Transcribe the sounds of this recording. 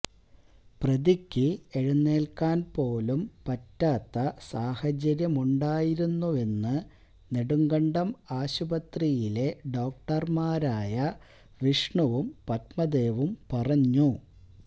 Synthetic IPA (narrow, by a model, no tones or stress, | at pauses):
prɐd̪ikʲːɨeɻunːe̞ːlkaːnpo̞ːlumpɐtːaːt̪ːɐsaːhɐt͡ɕɐɾjɐmuɳɖaːjiɾunːue̞nːɨ | neɽuŋɡɐɳɖɐmaːɕubɐt̪rijile̞ɖo̞ːk̚ʈɐrmaːɾaːjɐ | ʋiʂɳɐʋumpɐt̪̚mɐd̪e̞ːʋumpɐrɐɲːu